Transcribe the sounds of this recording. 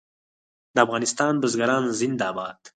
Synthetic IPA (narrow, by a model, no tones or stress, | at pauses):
d̪əafɣɑnɪst̪ɑnbəzɡaɾɑːnzɪnd̪ɑːbɑːd̪̥